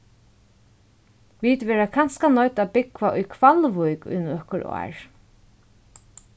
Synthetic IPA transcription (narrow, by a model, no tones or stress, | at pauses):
viːt̪ʋɛːɾakʰanskanɔjt̪apɪkvaʔʊjkʰvalʋujkʊ̰nœhkʊɹ̰ɔ̰ːɹ